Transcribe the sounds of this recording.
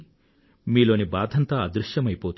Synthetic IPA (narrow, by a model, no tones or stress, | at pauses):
miːlo̞ːnibaːd̪ʱɐnt̪ɐɐd̪ɾuʃjɐmɐjpoːt̪